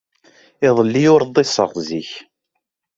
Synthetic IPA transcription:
ɪðˤəlːijʊɾðˤːesˤːə̰ʁziç

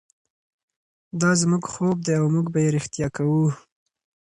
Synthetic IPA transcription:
d̪ɑzmuɡxob̚d̪eawmuɡbajeɾɪxt̪jɑkawu

